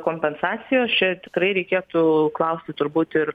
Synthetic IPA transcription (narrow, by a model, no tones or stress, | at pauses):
koːmʲpʲɛnsɑːt̪sʲɪjoːst͡ʃʲɛt̪ʲɪ̥kɾɐɪɾʲɛɪkʲeːt̪ʊklˠɐʊsʲt̪ʲɪt̪ʊɾbuːt̪ɪr